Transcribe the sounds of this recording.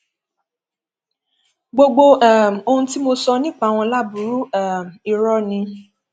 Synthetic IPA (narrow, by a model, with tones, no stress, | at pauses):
ɡ͡bo˧ɡ͡bo˧ɛ˦˨m˨o˧hũ˧ti˦mo˧sɔ˧nĩ˦˨k͡pa˦˨w̃ɔ̃˧la˦bu˨˦ɾu˦ɛ˨m˨i˧ɾɔ˦nĩ˧